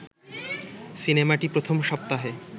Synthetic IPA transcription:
sinemaʈipɾot̪ʰomʃɔp̚t̪aɦe

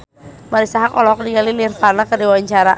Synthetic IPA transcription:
maɾisaɦakɔ̰lɔɦɔk̚diɡalilirpanakədiwawaɲt͡ʃaɾa

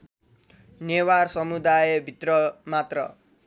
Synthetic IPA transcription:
newarsʌmud̪ajbʱit̪rʌmat̪rʌ

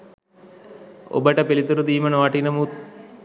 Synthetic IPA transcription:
o̰bəʈəpilit̪uɾud̪iːmənoʋaʈinəmu

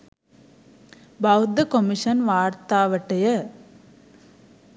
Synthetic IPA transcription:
bɐud̪ɐkomiʂɐnʋaːɾt̪aːʋɐʈːɐjɐ

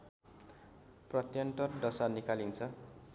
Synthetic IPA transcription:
prʌt̪jʌnt̪ʌrɖʌsanikalint͡sʰʌ

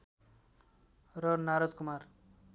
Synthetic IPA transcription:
rʌnaɾad͡zkumar

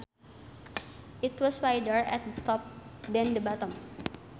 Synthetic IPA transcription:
ʔit̪wɔsfajdəɹɛ̰t̪̚dət̪ɔp̚dɛ̃ndəbat̪əm

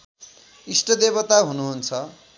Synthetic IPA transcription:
isʈʌd̪ebʌt̪aɦunuɦunt͡sʰʌ

